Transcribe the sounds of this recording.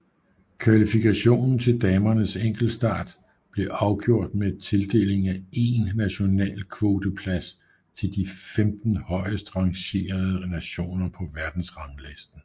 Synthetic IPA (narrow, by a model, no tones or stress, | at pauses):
kʰʋælifikʰæɕo̝̰ːnn̩t͡sʰe̝ld̥ɛːmɐnəseŋ̰ɡ̥l̩̥sd̥ɑ̰̈ːd̥ | b̥le̝ʔɑ̈ʊɡ̥jo̝ɐ̰d̥met͡sʰe̝ld̥e̝̰ːle̝ŋæe̝nːæɕo̝nɛ̰ːlkʰʋo̝ːd̥ʰəpʰlæs | t͡sʰe̝ld̥ifemd̥n̩hɒ̽ɪ̰əsd̥ʁɑ̈ŋɕe̝̰ːɐðˠənæɕo̝̰ːnɐpʰɒ̽ʋæɐd̥n̩sʁɑ̈ŋlesd̥n̩